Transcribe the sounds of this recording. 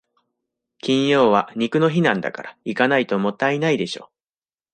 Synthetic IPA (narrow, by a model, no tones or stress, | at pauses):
kʲĩɰ̃jo̞ːβaɲ̟ikɯ̟no̞çinãnd̪a̰ka̰ɾʔaikanait̪o̞mo̞t̪ːainaid̪e̞ɕo̰ː